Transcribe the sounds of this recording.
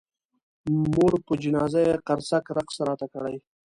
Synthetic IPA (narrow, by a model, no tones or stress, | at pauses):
moɽpəd͡ʒɪnɑzajeqaɾsakɾaqsaɾɑt̪akəɽaj